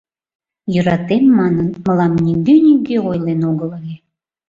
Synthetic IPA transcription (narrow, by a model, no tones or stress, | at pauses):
jøɾɑt̪emːɑnənməlɑmnʲiɡynʲiɡeojlenoɣə̆ləlʲe